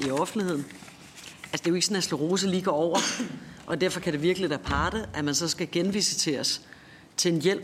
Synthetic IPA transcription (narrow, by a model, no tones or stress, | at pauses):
iɒ̽fn̩d̥lihe̝ð̞̰ˠn̩ | ælsəd̥e̝jo̝e̝ɡ̥sɒ̽næsloʁo̝ːs̬əliːɡ̥ɒɒʊ̰ɐʔɒ̽d̥æɐfɒ̽kʰæɾ̥e̝ʋiɐɡ̥əliʋæɐpʰɑ̈ːɾ̥əʔæmænsɒ̽sɡ̥æɡ̥enʋḭːsə̥t͡sʰe̝ɒs | t͡sʰe̝enjel̰